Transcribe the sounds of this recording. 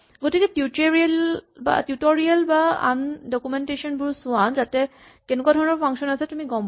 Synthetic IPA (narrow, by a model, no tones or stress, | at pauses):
ɡotikɛtjuteɹilba̰tjutɔɹialbaa̰ndɔkumɛntesɔnbuɹsʊanzatɛ | kɛnɛkwadʱɔɹɔnɔɹpʰaŋsɔnasɛtumiɡɔmb